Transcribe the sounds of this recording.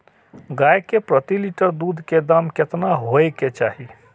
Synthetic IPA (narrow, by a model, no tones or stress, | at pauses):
ɡajkepɾət̪iliʈəɾd̪uːd̪ʱked̪amket̪naɦoeket͡ʃaːɦi